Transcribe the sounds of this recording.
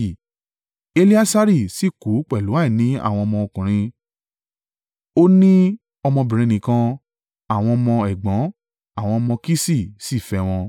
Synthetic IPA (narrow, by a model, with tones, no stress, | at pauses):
e˧li˦a˦sa˧ɾi˦˨si˦˨ku˨˦k͡pɛ˨lu˨˦a˦i˦˨nĩ˨˦a̰˨w̃ɔ̃˧mɔ̃˧o˧kũ˨ɾ̃ĩ˧ | o˦nĩ˦ | ɔ˧mɔ̃˧bĩ˨ɾ̃ĩ˧˦nĩ˨˦kã˧ | a˦˨w̃ɔ̃˧mɔ̃˧ɛ˨ɡ͡bã˨˦ | a˦˨w̃ɔ̃˧mɔ̃˧ki˦si˦˨si˦˨fɛ˧w̃ɔ̃˧